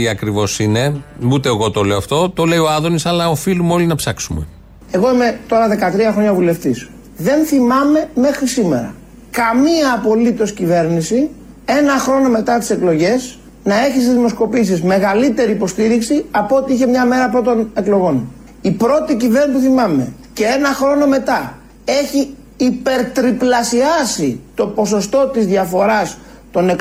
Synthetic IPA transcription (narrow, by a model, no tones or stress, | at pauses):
iɐkɾivo̞sine̞ut̪eːɣot̪o̞le̞oɐft̪o̞t̪o̞le̞io̞ɐðonisɐlɐofilumeo̞linɐpsɐksumḛ | e̞ɣo̞ime̞t̪o̞ɾɐðe̞kɐt̪ɾiɐxɾo̞ɲɐvule̞ft̪is | ðe̞nθimɐme̞me̞xɾisime̞̰ɾɐ̰ | kɐmiɐːpo̞lit̪o̞scive̞ɾnisi | e̞nɐxɾo̞no̞me̞t̪ɐt̪i̥se̞klo̞ʝe̞s | nɐe̞çis̬izimo̞sko̞pisizme̞ɣɐlit̪e̞ɾiːpo̞st̪iɾiksiɐpoot̪iiçemɲɐme̞ɾɐpɾot̪o̞ne̞klo̞ɣo̞n | ipɾo̞t̪icive̞ɾnspuθimɐme̞̰ | ce̞e̞nɐxɾo̞no̞me̞t̪ɐ | e̞çiː | pe̞ɾt̪ɾiplɐsiɐsit̪o̞po̞so̞st̪o̞t̪izðjɐfo̞ɾɐs | t̪o̞ne̞k